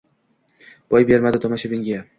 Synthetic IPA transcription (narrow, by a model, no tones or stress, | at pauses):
b̥ɒjbe̞ɾmad̪ɪt̪ʰɒmaʃabɪŋɡʲa